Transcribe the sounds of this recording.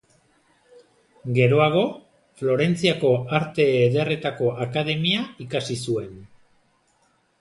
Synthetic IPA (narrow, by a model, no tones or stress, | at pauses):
ɡe̞ɾo̞aɣ̞o̞ | flo̞ɾe̞nt͡siako̞aɾt̪e̞ːðere̞t̪ako̞ʔakað̞e̞miaikasisue̞n